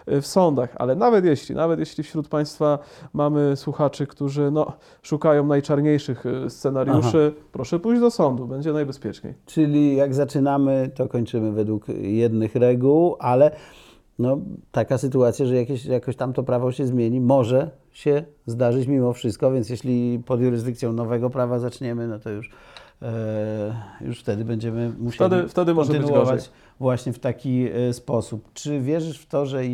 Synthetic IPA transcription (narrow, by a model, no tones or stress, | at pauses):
fsɔnd̪axa̰lɛnavɛt̪jɛɕlʲḭnʔavɛt̪jeɕlʲifɕɾut̪̚paj̃st̪famamɘswuxat͡ʂɘkt̪uʐɘnɔ | ʂukajɔ̃w̃najt͡ʂaɾɲejʂɘxst̪sɛnaɾjuʂɘpɾɔʂɛpujʑd͡ʑd̪ɔsɔnd̪ubɛɲd͡ʑɛnajbɛspʲjɛt͡ʂɲḛjt͡ʂɘlʲijaɡzat͡ʂɘnamɘt̪ɔkɔɲt͡ʂɘmɘvɛd̪wukjɛd̪nɘxɾɛɡuwalɛ | nɔt̪akasɘt̪uat̪sʲjaʐɛjakʲeɕjakɔ̃ɕt̪amt̪ɔpɾavɔɕɛzmʲjeɲimɔʐɛ | ɕɛzd̪aʐɘt͡ɕmʲimɔfʂɘst̪̚kɔvʲjɛnt̪sjɛɕlʲipɔd̪juɾɨzd̪ɘk̪̚sʲjɔ̃w̃nɔvɛɡɔpɾavazat͡ʂɲɛmɘnɔt̪ɔjuʂ | jṵʂft̪ɛd̪ɘbɛɲd͡ʑɛmɘmuɕeft̪ɛd̪ɔnnnuɔvat͡ɕ | vwaɕɲɛft̪akʲispɔsupt͡ʂɘvʲjɛʐɘʂft̪ɔʐɛ